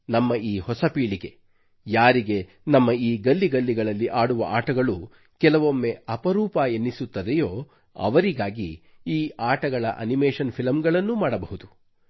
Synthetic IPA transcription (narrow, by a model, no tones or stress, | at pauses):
nɐmːɐiːhɔsɐpiːɭiɡe̞ | jaːɾiɡe̞ | nɐmːɐiːɡɐlːiɡɐlːiɡɐɭɐlːiʔaːɽuʋɐ̰ʔaːʈɐɡɐɭu | kɛlɐʋo̞mːeɐpɐɾuːpɐenːisut̪ːɐd̪ɛjo̞ː | ɐ̰ʋɐɾiɡaːɡi | iːaːʈɐɡɐɭɐ̰ʔɐ̰nimeːʃɐnpʰilɐmɡɐɭɐnːumaːɽɐbɐɦud̪u